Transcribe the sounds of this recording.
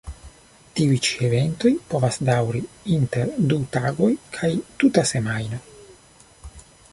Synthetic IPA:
tiujt͡ʃievent̪o̞jpovasdawɾiinte̞ɾdut̪aɡo̞jkʰajt̪utase̞majno

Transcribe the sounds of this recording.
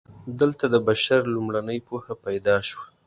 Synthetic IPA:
d̪əlt̪ad̪əbaʃaɾlumɽanəjpohapajd̪ɑʃwa

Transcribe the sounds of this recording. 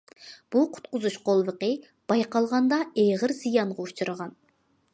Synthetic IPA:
b̥uqʰʊ̥t̪̚qʊzuʃqʰolˠvəqə | b̥ɑjqɑlˠʁɑnd̪ɑejʁəɾz̥ijɑɴʁɑut͡ʃʰuɾəʁɑn

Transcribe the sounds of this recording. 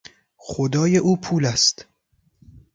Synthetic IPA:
xod̪ɒːje̞ʔuːpʰuːlæst̪

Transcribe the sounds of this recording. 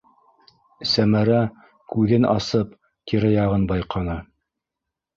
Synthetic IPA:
sæmæɾæ | kʉðɘnʔɑ̰sɤp | k̪iɾɘjɑʁɤnbɑjqɑnɤ

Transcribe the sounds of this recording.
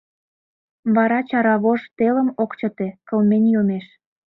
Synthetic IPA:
βɑɾɑt͡ɕɑɾɑβoʒt̪eləmokt͡ɕə̆t̪ekəlmenʲjomeʃ

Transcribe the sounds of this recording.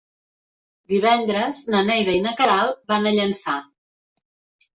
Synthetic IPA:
d̪iβɛnd̪ɾəznənɛjðəinəkəɾalˠβanəʎənsa

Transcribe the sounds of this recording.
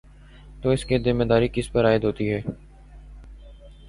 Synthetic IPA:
t̪oːɪskezɪmːed̪aːɾikɪspɐɾaːɪd̪ɦoːt̪iɦɛː

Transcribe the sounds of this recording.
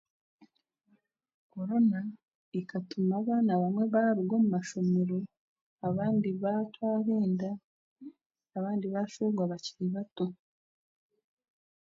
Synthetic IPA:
ko̞ɾo̞na | ikatʰumaβaːnaβamwe̞βaɾuɡo̞mumaʃo̞meɾo | aβaːndiβatwaːβeːnda | aβaːndiβaːʃoɡwaβaciɾiβato

